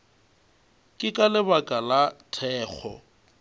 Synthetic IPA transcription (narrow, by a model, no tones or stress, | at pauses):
kʼɪkʼalɪbakʼalatʰɛːk͡xʰɔ̰